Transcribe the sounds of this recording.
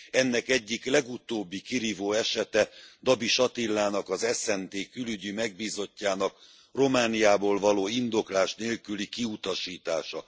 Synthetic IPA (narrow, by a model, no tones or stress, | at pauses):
ɛnːɛkɛɟːiklɛɡut̪oːbːikiɾiːvoːɛʃɛt̪ɛd̪ɒbiʃɒt̪ilːaːnɒkɒzɛsɛnt̪eːkylyɟimɛɡ̚biːzo̞cːaːnɒk | ro̞maːnijaːboːlvɒloːind̪o̞klaːʃneːlkylikiut̪ɒʃiːt̪aːʃɒ